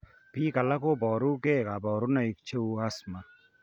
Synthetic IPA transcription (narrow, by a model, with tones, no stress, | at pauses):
piː˦kɐ˨lɐ˦koː˦bɔː˨ɾu˦keː˦ka˨bɔː˨ɾu˦nɐ˨ik̚t͡ʃʰe˦uː˦ɐsma